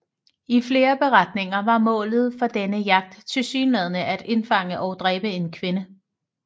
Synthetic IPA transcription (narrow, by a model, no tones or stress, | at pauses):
ifle̝ːɐb̥e̝ʁad̥ne̝ŋɐʋɑ̈mɔ̰̽ːlð̞̩ˠfɒ̽d̥enəjɑ̈ɡ̥̚d̥t͡sʰe̝lsyːnlɛð̞ˠnəʔæd̥e̝nfɑ̈ŋ̰əʔɒ̽ʊd̥ʁɛːb̥əe̝nkʰʋe̝nə